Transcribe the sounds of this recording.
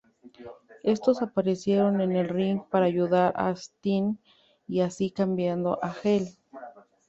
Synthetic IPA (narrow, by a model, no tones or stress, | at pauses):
e̞st̪osapaɾesje̞ɾo̞ne̞ne̞lriŋɡpaɾaːʝuðaɾʔa̰st̪in | iasikambjand̪o̰ʔaxel